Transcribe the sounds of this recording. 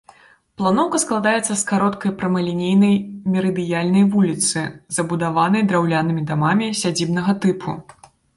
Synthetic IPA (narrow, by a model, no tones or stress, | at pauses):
plˠanɔwkɐsklˠad̪ajɛt̪sːɐskaɾɔt̪kɐjpɾɐmɐlʲinʲejnɐjmʲɛɾɨd̪ɨjalʲnɐjvulʲit̪sɨzɐbud̪avanɐjd̪ɾawlʲanɨmʲid̪amamʲisʲad͡zʲibnɐɣɐt̪ɨpʰu